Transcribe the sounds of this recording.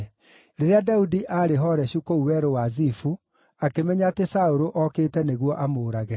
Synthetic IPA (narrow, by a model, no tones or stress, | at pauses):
ɾeɾeadaudiʔaɾeɦɔɾɛɕukouwɛɾowazifu | akemɛɲaːtesaoɾoʔɔkeːtɛneɣwɔʔamoːɾaɣɛ